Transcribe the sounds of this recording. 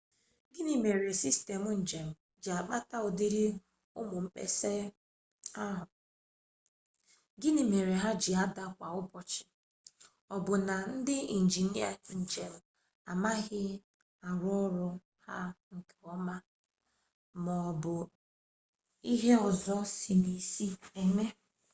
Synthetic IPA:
ɡi˦ni˨me˨ɾe˨si˦ste˨mʊ˨n̩˨d͡ʒe˨m̩˨ | d͡ʒɪ˨a˨k͡pa˦ta˦ɔ˨di˦ɾi˦˨ | ʊ˦mʊ˨m̩˦k͡pḛ˦se˦ | a˦ɦʊ˨ | ɡɪ˦ni˨me˨ɾe˨ɦa˦d͡ʒɪ˨a˦da˦kʷa˨ʊ˦bɔ˨t͡ʃɪ̥˨ | ɔ˨bʊ˨na˨n̩˦dɪ˦i˨n̩˨d͡ʒi˨ni˦a˦˨n̩˨d͡ʒe˨m̩˨ | a˨ma˦ɣɪ˦ | a˨ɾʊ˦ɔ˦ɾɔ˦ | ha̰˦ŋ̩˨kʰe˨ɔ˦ma˦ | mɔ˨bʊ˨ | i˦ɦe˦ɔ˨zɔ˦si˨ni˨si˦e˨me˦

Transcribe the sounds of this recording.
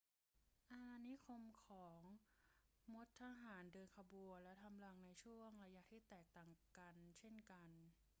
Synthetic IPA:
ʔaː˧ni˦˥kʰo˧mkʰɔː˩˦ŋ | mo˦˥t̪ʰːa˧ɦaː˩˦ndɤː˧nkʰa˧bu˧əlɛ˦˥t̪ʰa˧mla˧˩ŋna˧jt͡ɕʰu˥˩əŋɾa˧ja˦˥t̪ʰiː˥˩t̪ɛː˨˩k̚t̪aː˨˩ŋka˧nt͡ɕʰe˥˩nka˧n

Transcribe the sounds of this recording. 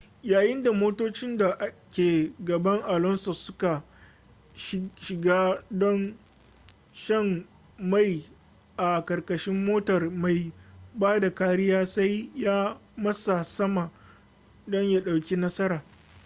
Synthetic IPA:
jaː˨jɪ˦nda˨moː˦toː˦t͡ʃɪ˦nda˨ʔa˦kʲeː˨ɡɐ˨bɐ˦ŋʔa˨lɔ˦nso˨sʊ˦ka˨ | ʃɪ˨ɡaː˦dɔ˦n | ʃɐ˦ŋ | ma˨j | ʔa˨kɐ˨rkɐ˨ʃɪ˦mːoː˦tɐ˨rma˨jbaː˦da˨kaː˦ɽɪ˦jaː˦sa˦jjaː˦mɐ˦sa˨sɐ˦ma˨ | dɔ˦ɲjaː˦ɗa˨wkʲi˦nɐ˦sɐ˦ɾaː˨

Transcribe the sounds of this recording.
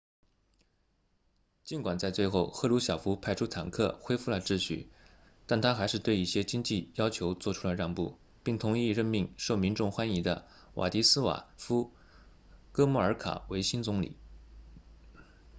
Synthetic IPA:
t͡ɕi˧˥nkwa˨˩nt͡sa˥˧ɪt͡swe˥˧ɪxo˥˩ʊxɤ˥˧lu˧˥ɕjɑ˨˩ʊfu˧˥pʰa˥˩ɪʈ͡ʂʰu˥t̪ʰa˨˩nkʰɤ̰˥˩xwe˥ɪfu˥˩lə˩ʈ͡ʂɻ̩˥˧ɕy̰˥˩ | t̪a˥˩nt̪ʰa˥xa˧˥ɪʂɻ̩˥˧t̪we˥˧ɪi˥˩ɕjɛ˥t͡ɕi˥ŋt͡ɕi˥˩jɑ˥ʊt͡ɕʰjo˧˥ʊt͡swɔ˥˧˩ʈ͡ʂʰu˥lə˨˧ɻɑ˥˧ŋpṵ˥˩ | pi˥˩ŋt̪ʰʊ˧˥ŋi˥˧ɻə˥˧nmi˥˧ŋʂo˥˩ʊmi˧˥nʈ͡ʂʊ˥˩ŋxwa˥ni˧˥d̪ə˧ | wʔa̰˨˩t̪i˧˥sɹ̩˥wa̰˨˩fu˥ | kɤ˥mu˥˩ə˞˧˥kʰa̰˨˩˦we˧˥ɪɕi˥nt͡sʊ˧˥ŋlḭ˨˩˦

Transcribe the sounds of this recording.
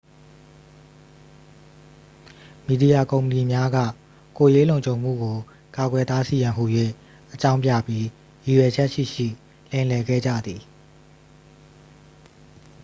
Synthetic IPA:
mi˨di˨ja˨kõ˨ʊ̃mpə˨ni˨mja˦ɡä̰˦˨ | ko˨je˦lõ˨ʊ̃ɲd͡ʑʰõ˨ʊ̃m̥ṵ˦˨ɡo˨ | ka˨ɡwɛ˨t̪a˦si˨jã˨ɦu˨jwḛ˦˨ | ʔət͡ɕã˦ʊ̃mpja̰˦˨pji˦ | ji˨jwɛ˨d͡ʑɛ˦ʔʃḭ˦˨ʃḭ˦˨ | lɪ̃˨lɛ˨ɡɛ̰˦˨d͡ʑä̰˦˨d̪i˨

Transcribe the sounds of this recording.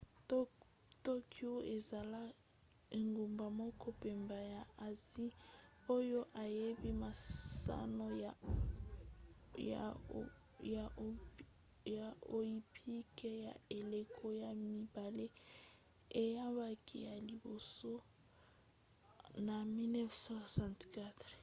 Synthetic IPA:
to˦ki˦o˦e˨za˨la˦ | e˨ŋɡu˨mba˨mɔ˦kɔ˦pe˨mba˨ja˨a˨zi˦ | o˦jo˦ʔa˨je˦bi˦ma˨sa̰˦no˦˨ | a˨ | ja˨ | ja˨o˨i˦pʰi˦ke˦ja˨e˨le˨kʰo˦ja˨mi˨ba˨le˦ | e˨ja˦ba˦kʰi˦ja˨li˨bo˨so˦ | na˨mi˦nɛ˦fsɔ˦sã˨ntka˦t

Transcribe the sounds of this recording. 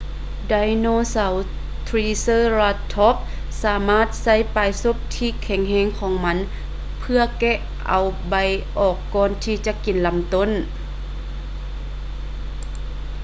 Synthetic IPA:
da˧jnoː˧˨sa˨˦w | t̪ʰɾiː˧sɤː˧˥˨la˧t̪ʰːɔ˧˥p̚ | saː˨˩˦maː˥˨t̪̚sa˧˥˨jpaː˨˩jso˧˥˨p̚t̪ʰiː˧˩kʰɛ˧˩ŋhɛː˧˥˨ŋkʰɔː˨˦ŋma˧˥n | pʰɯ˧ɐkɛ˧ | ʔa˨wba˧˩jʔɔː˨˩kːɔː˧˨nt̪ʰiː˧t͡ɕa˧ki˨nla˧˦mt̪o˧˥˨n

